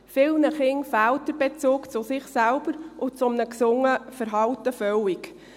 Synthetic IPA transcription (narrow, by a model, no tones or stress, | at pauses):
fɪlnəχɪnfæltdəɾbet͡suːkt͡susɪχsælbəɾʔʊt͡sʊmnəksʊŋːəfəɾɦɑlt̪əfœwik